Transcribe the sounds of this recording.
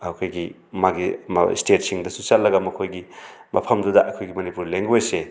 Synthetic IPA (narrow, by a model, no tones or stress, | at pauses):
hakʰojɡi | maɡim̰stet̚siŋdɐsusalːɐɡɐmɐkʰojɡi | mʔɐpʰɐmdudɐʔɐkʰojɡimɐnipuɾleŋɡojse